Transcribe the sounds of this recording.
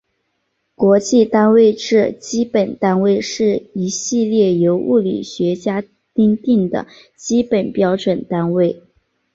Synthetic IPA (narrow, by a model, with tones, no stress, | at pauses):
kwɔ˧˥t͡ɕi˥˧t̪a˥nwe˥˧ɪʈ͡ʂɻ̩˥˩t͡ɕi˥pə˨˩nt̪a˥nwe˥˧ɪʂɻ̩˥˩i˧˥ɕi˥˧ljɛ˥˩jo˧˥ʊʔu˥˩lḭ˨˩ɕɥɛ˧˥t͡ɕja˥ | t̪i˥ŋt̪i˥˩ŋd̪ə̰˩ | t͡ɕi˥pə˨˩npjɑ˥ʊʈ͡ʂwə˨˩nt̪a˥nwe˥˩ɪ